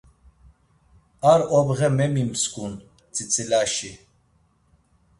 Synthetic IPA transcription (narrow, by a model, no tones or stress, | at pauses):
aɾɔbɣɛmɛmimskʼun | t͡sʰʼit͡sʰʼilaʃi